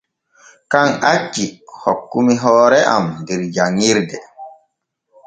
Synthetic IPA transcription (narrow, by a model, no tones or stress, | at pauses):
kaŋakːihɔkːumiɦɔːɾɛʔa̰mdiɾd͡ʒaŋːiɾdɛ